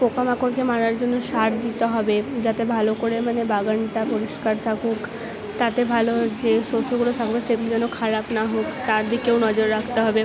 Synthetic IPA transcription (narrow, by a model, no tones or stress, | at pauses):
pokamakoɾkemaɾaɾd͡ʑonːoʃaɾd̪it̪eɦɔbed͡ʑat̪ebʱalokoɾemanebaɡaɳʈapoɾiʃkaɾt̪ʰakuk | t̪at̪ebʱalod͡ʑeʃosʰoɡulot̪ʰakbeʃeɡulod͡ʑɛnokʰaɾapnaɦokt̪aɾd̪ikewnɔd͡ʑoɾːakʰt̪eɦɔbe